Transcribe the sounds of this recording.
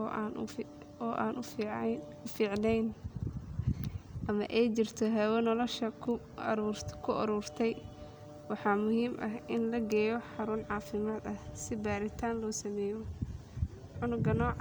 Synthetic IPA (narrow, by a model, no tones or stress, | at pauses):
ɔːʔa̰ːnʔ | ʊfiːʕnɛjn | ʔɐmɐʔɛjt͡ʃɪrt̪ʰɔɦɛwɛnɔlɔʃɐkʰː | kʰʊʔɐ̰ɾɔːrt̪ʰɛj | wɑħɑːmʊhiːmʔɐɦʔɪnlɐɡɛːjɔħɑɾunʕɑːfɪmaːd̪ɐhsɪbaːɾɪt̪ʰaːnlɔːsɐmɛːjɔ | ħʊnʊɡɐnɔːʕ